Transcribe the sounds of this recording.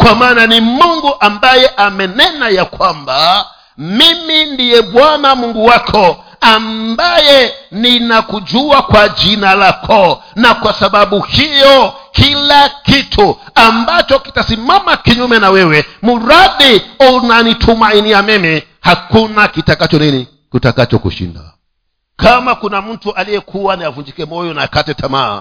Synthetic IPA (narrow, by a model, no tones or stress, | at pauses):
kwamaːnanimuŋɡuʔambajɛʔamɛnɛnajakwamba | mimindijɛɓwanamuŋɡuwakʰɔ | ambajɛninakuʄuakwaʄinalakʰɔnakwasaɓaɓuhijɔkilakitʰu | ambat͡ʃɔki̥tasimamakiɲumɛnawɛwɛmuɾaɗiunanitʰumainiamɛmɛ | hakunakitakat͡ʃɔnini | kutakat͡ʃɔkṵʃḭnda̰ | kamakunam̩tuʔalijɛkʰuwaniavund͡ʒikɛmɔjɔnaakatɛtʰama̰ː